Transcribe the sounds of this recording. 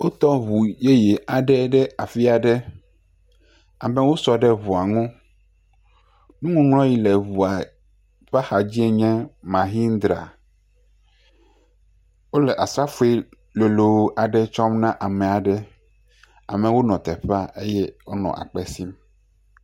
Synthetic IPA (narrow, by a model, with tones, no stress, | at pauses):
wo˦t̪ɔ˦βu˨je˦je˨a˨ɖɛ˦ɖɛ˦a˨fi˦a˨ɖɛ˦ | a̰˨mɛ̃˦wo˦sɔ˨ɖɛ˦βu˨a˨ŋɔ̃˦ | nũ˦ŋũ˦ŋlɔ̃˦ji˦lɛ˨βu˨a˨ | ɸa˦xa˨d͡ʑi˦e˦ɲɛ̃˦mã˨ɦi˦n˦d̪ɾa̰˨ | wo˦lɛ˨ʔa˨sa˦fu˦e˦ | lo˨lo˨wo˦ʔa˨ɖɛ˦t͡ʃɔ˦mnã˦ʔa˨mɛ̃˨a˨ɖɛ˦ | a̰˨mɛ̃˨wo˦nɔ̃˨t̪ɛ˨ɸa˦ʔe˦jɛ˦wo˦nɔ̰̃˨ʔa̰˨k͡pɛ˦si˦m